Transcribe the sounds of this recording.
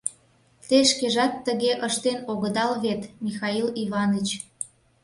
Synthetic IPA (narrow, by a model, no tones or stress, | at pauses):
t̪eʃkeʒɑt̪ːəɣeʔəʃt̪enoɣəd̪ɑlβet̪mixɑiliβɑnət͡ɕ